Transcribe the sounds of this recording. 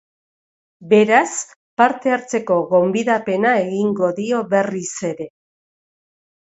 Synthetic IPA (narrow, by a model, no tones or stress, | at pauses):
be̞ɾas | paɾt̪e̞aɾt͡se̞ko̞ɣo̞mbiðape̞nae̞ɣiŋɡo̞ðio̞βe̞rise̞ɾe̞